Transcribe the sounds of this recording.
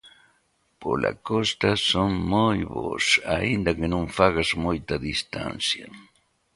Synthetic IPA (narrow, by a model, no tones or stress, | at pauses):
po̰la̰kost̪asoŋmojβo̰saind̪akenõŋfaɣazmojt̪aðist̪a̰nsja